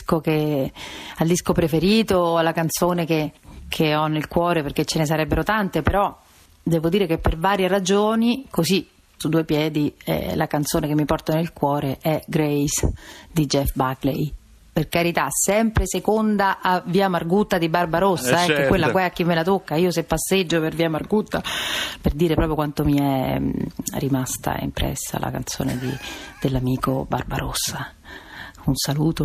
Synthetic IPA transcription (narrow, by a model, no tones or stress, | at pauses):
koke | ald̪iskopɾefeɾiːt̪oalːakant̪soːnekekʰeɔnːelkwɔːɾeperk̟ːet͡ʃːenes̬aɾɛbːeɾot̪ant̪epeɾɔ | d̪ɛːvod̪iːɾekepːervaːɾjerad͡ʒoːnikozi | sud̪ːuːepjɛːd̪iɛ̰lakant̪soːnekemːipɔrt̪anelkwɔːɾeʔɛɡɾɛjsd̪id͡ʒɛfbaklɛ̰j | perkaɾit̪asɛmpɾesekond̪aʔaviːamarɡut̪ːad̪ibarbaɾosːaɛkːɛkwelːakwaɛakːimːelat̪okːaiːosepːasːed͡ʒːoperviːamarɡut̪ːaperd̪iːɾepɾɔːpɾjokwant̪omiɛ | rimast̪a̰ɛ̰ḭmpɾɛ̰sːa̰la̰ka̰nt̪so̰ːnḛd̪id̪̥elːamiːkobarba̰ɾo̰sːa | unsaluːt̪o